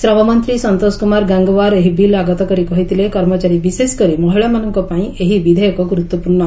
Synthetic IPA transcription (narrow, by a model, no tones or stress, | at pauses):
sɾɔʋamənt̪ɾiːsənt̪oskumaɾɡãŋɡʋaɾeɦibilaɡat̪ɔkəɾikɔɦit̪ilekɔɾmɔt͡ɕaɾibiseskəɾimɔɦiɭjamanuŋkɔpãĩeɦiʋid̪ʱəjɔkɔkɾut̪ːwəpuɾɳa